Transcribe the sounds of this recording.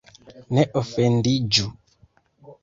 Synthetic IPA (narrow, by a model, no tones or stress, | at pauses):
nɛʔɔfɛndid͡ʒu